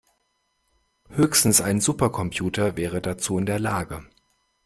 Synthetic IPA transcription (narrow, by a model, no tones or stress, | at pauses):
høːçstn̩saɪnzuːpɐkʰɔmpʰjuːtɐvɛːʁ̞ədat͡suːɪndeːɐlaːɡə